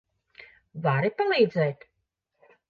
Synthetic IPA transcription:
vaɾipalˠiːd̪zɛːt̪

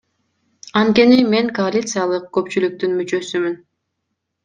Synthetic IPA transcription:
ɑnt̪̚ke̞nime̞ŋkoalʲit̪sɨjalˠɯq̚kø̞pt͡ʃylyk̚t̪ynmyt͡ʃø̞symyn

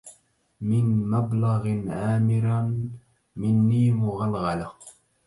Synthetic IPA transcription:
mɪnmablɑɣnʔaːmɪɾ | mɪnːiːmʊɣalɣalaq

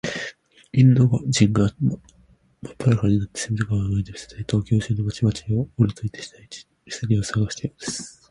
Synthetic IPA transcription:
ĩnd̪oɡad͡ʑĩŋɡa | mapːaɾakaɾɲʲinat̪ːesemʲizoɡaβaŋait̪ei̥se̥t̪ait̪o̞ːkʲo̞ːɕɨːnomat͡ɕimat͡ɕiooɾʲit̪oit̪eɕi̥t̪ait͡ɕi̥ | i̥saɾʲiosaɡaɕi̥t̪ejod̪̥esɨ̥

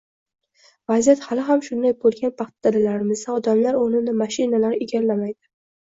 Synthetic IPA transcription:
vazijat̪halɪɦamʃʊnd̪ajbolˠɡʲanpʰɑχt̪ʰad̪ad̪alaɾɪmɪzd̪aɒd̪amlaɾonɪd̪amaʃɪnalaɾeɡʲaɾlamajd̪̥ɪ

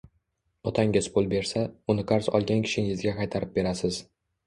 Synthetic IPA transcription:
ɒt̪ʰaŋʲɪzpʰolˠbe̞ɾsaʊnɪqʰaɾsɒ̰lˠɡʲankʲʰɪ̥ʃɪŋɪzɡʲaqɑjt̪ʰaɾɪp̚be̞ɾasɪz

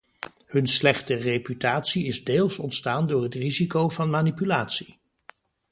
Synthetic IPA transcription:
hɵnslɛχtərejpytaːtsiɪzdeːlˠsɔntstaːndʊːɹɦətrizikowvɑnmaːnipylaːtsi̥

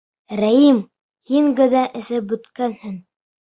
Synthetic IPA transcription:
ɾæjim | hiŋɡɘ̆ðæʔɘ̆ʃɘbɵ̆t̪kænhɘŋ

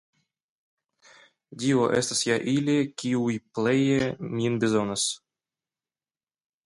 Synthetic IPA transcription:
dʲioʔɛst̪asjaʔilʲekʲiujplejemʲinbʲezonas

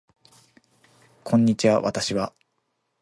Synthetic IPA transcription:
kʰõ̞ɲ̟ːit͡ɕiβaβa̰t̪aɕiβa

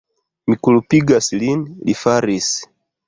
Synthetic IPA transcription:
mikulupiɡasilinlḭfaɾis

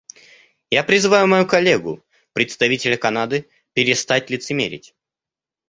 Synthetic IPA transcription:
japɾʲɪzɨvajʊmɐjukɐlʲːeɡʊ̰ | pɾʲɪt̪st̪ɐvʲitʲɪlʲəkɐnad̪ɨ | pʲɪɾʲɪst̪atʲlʲɪt̪sɨmʲḛɾʲɪ̰tʲ

